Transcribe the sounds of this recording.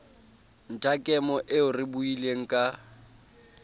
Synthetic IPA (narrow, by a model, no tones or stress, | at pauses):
n̩tʼakʼɛmɔʔɪʊrɪbuileŋ̩kʼa